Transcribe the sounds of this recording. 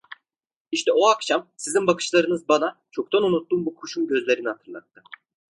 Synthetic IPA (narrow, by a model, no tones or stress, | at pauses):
iʃt̪ʰɛoakʃamsizimbakʰɯ̥ʃlˠaɾɯnɯzbanat͡ʃʰo̞kt̪ʰanunut̪ːuːmbukʰuʃumɟø̞zlʲe̞ɾinihat̪ʰɯɾlˠa̰t̪ːɯ